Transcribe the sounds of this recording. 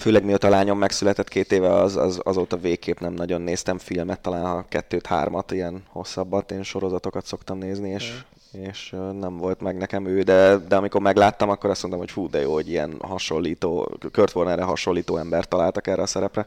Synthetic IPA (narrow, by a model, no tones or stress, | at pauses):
føːlɛɡmiot̪ɒlaːɲo̞mːɛksylɛt̪ɛt̪kʰeːt̪eːvɛɒzɒ̰zɒ̰zoːt̪ɒveːkːeːpnɛmnɒɟo̞nːeːst̪ɛɱfilmɛt̪ːɒlaːnhɒkɛt̪ːøːt̪ha̰ːrmɒt̪ijɛnho̞̰sːɒbːɒt̪eːnʃoɾo̞zɒt̪o̞kɒt̪so̞kt̪ɒmneːznieːʃ | eːʃnɛɱvo̞lt̪mɛɡnɛkɛmøːd̪ɛd̪ɛɒmiko̞rmɛɡlaːt̪ːɒmɒkːoɾɒsmnt̪ɔmho̞cfuːd̪ɛjo̰ːoɟijɛ̰nɦɒʃo̞lːiːt̪o̰ːkørt̪ʋornɛrɛɦɒʃo̞lːiːt̪oːɛmbɛrt̪ːɒlaːlt̪ɒkɛrːʔɛɒsɛɾɛprɛ